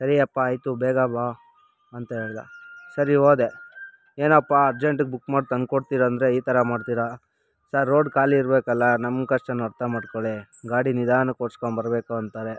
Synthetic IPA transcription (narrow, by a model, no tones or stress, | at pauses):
sɐɾiɐpːaːjt̪ubɛːɡabaː | ɐnt̪ɐɦe̞ːɭd̪a̰sɐɾioːd̪e | eːnɐpːaɐɾd͡ʒeɳʈuɡ̚bukːmaːɖt̪ɐnkoɽt̪iːɾaːnd̪ɾe̞iːt̪ɐɾɐmaːɖt̪iːɾa | saɾːoːɖkaːliːɾbeːkɐlːɐnɐmɡkɐʂʈɐnːɐɾt̪ʰamaːɖkoɭe | ɡaːɽinid̪aːnɐkoːɽskoɳbɐɾbeːkuɐnt̪aːɾe